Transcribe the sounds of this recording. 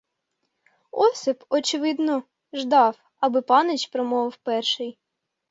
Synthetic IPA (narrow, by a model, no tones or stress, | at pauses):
ɔsʲɪpɔt͡ʃɪʋɪd̪nɔ | ʒd̪ɑw | ɐbɪpɑnɪt͡ʃpɾɔmɔʋɐwpɛrʃɪj